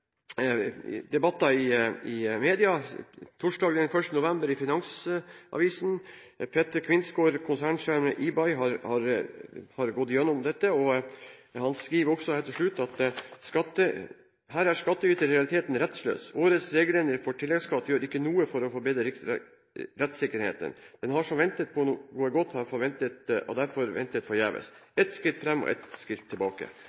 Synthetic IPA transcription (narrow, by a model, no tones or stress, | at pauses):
d̪ɛbɑt̪ːɑɪɪmeːd̪ɪɑt̪ʰʊʂɖɑːɡd̪ɛnfœʂt̪ənʊʋɛmbəɾɪfɪnɑŋsʔɑ̰ʋiːsn̩pʰet̪əɾkʰʋɪnsɡoːɾkʰʊnsæːɳʂæɾməʔɪbɑɪɦɑɾhɑɾhɑɾɡɔt̪ːɪjɛnːʊmd̪ɛt̪ːəɔ | hɑnskɾiːʋɾɔksɔhɛlt̪ɪʂɭʉt̪ːɑt̪skɑt̪ːə | ɦæːɾæɾʂkɑt̪ːəyːt̪əɾɾɛɑlɪt̪ʰeːt̪n̩ɾɛt̪slø̰ːsoːɾət̪sɾeːɡəl̩ɛnəɾfɔʈʰɪlːɛɡskɑt̪ːjøːɾɪkːənuːəfɔɾɔfɔɾbeːd̪ɾəɾɪk | ɾɛt̪sɪkːəɾhḛːt̪ə̰nd̪̥ɛnɦɑʂɔmʋɛnt̪ət̪̚pʰɔnuːɡuːəɡɔt̪ːhɑɾfɔɾʋɛnt̪ət̪ɔ̰d̪æɾfɔɾʋɛ̰nt̪ət̪fɔɾjæːʋə̰sɛt̪skɪlt̪fɾɛmːɔ̰ʔɛ̰t̪skɪlt̪ʰːɪlbɑːkə̰